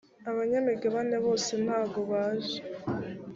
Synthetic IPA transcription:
aβaɲamiɡeβaneβo̞ːsenhaːɡoβaːʒe

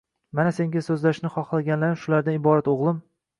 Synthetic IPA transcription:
manase̞ŋɡʲasɵzlaʃnɪχɒχlˠaɡʲanlaɾɪmʃʊlaɾd̪anɪbɒɾat̪oʁlˠɪm

